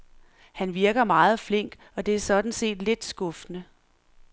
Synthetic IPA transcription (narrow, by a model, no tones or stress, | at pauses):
hænʋiɐɡ̥ɐmɑ̈ːð̞̩ˠfle̝ŋ̰ɡ̥ | ɒ̽d̥e̝æɐsɒ̽d̥n̩se̝̰ːd̥le̝d̥sɡ̥ɔ̽fnə